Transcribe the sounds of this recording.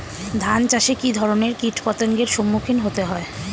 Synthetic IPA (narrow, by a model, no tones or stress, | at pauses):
d̪ʱant͡ɕaʃekid̪ʱɔɾoneɾkiʈʰpɔt̪oŋɡeɾʃomːukʰinɦot̪eɦɔe